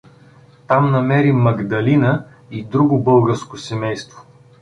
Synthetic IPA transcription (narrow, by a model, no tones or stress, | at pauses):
t̪amnɐmɛɾimɐɡd̪ɐlinə | id̪ɾuɡʊbɤlˠɡəɾskosɛmɛjst̪vo